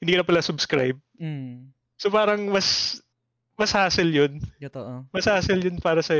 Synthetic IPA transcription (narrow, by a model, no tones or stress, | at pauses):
hɪnd̪iːkɐnɐpɐlasʊbskɾa̰jb̩̚ | sopaːɾɐŋmɐs | mɐshaːsɛljont̪oʔmɐshaːsɛljonpaːɾɐsɐj